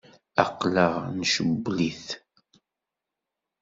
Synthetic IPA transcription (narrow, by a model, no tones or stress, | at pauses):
ɑ̰qːləʁnʃəbːliθ